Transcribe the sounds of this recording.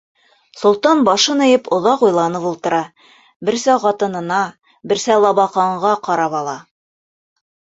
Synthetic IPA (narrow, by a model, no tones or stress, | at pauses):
sŏlˠt̪ɑnbɑʃɤnɘ̆jɤpŏðɑqujlˠɑnɤpulˠt̪ɤ̆ɾɑ | bɘ̆ɾsæqɑt̪ɤ̆nɤ̆nɑ | bɘ̆ɾsælˠɑβɑqɑɴʁɑqɑɾɑpɑlˠɑ